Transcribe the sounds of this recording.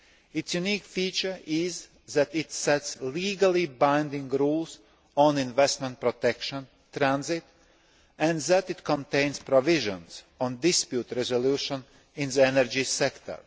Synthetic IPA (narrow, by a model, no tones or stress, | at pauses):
ɪtsjuniːkfiːt͡ʃə˞ɪz | ðæt̪ɪt̪sɛtsliːɡalˠibãɪ̃ndɪ̃ŋɡɾuːlˠs | ɔ̃nɪ̃nvɛst̪mɛ̃nt̪̚pɾɔt̪ɛkʃə̃n | t̪ɾæ̃nzɪt̪ | æ̃nðæt̪ɪt̪kɔ̃nt̪ẽɪ̃nspɾɔvɪʒə̰̃ns | ɔ̃nd̪ɪspjuːt̪ɾɛzoluːʃə̃n | ɪ̃nzəɛnəɹd͡ʒisɛkt̪ʰə̰ɹ